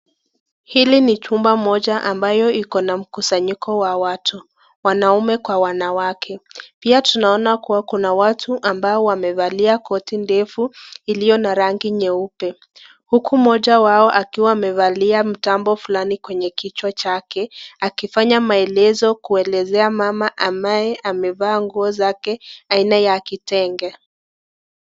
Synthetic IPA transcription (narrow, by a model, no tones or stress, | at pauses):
hilinit͡ʃumbamɔʄaʔambajɔikɔnam̩kusaɲikʰɔwawatʰu | wanaumɛkwawanawakʰɛpiatunaɔnakuwakunawatʰuʔambaɔwamɛvaliakɔtindɛfuilijɔnaɾaŋɡiɲɛupɛ | hukumɔʄawaɔʔakiwaːmɛvaliam̩tambɔfulanikwɛɲɛkit͡ʃwat͡ʃakɛakifaɲamaɛlɛzɔkuɛlɛzɛamamaʔambajɛʔamɛvaːŋɡuɔzakɛainajakitɛŋɡɛ